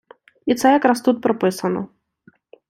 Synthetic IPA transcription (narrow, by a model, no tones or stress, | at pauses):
it̪sɛjɐkɾast̪ut̪̚pɾɔpɪsɐnɔ̰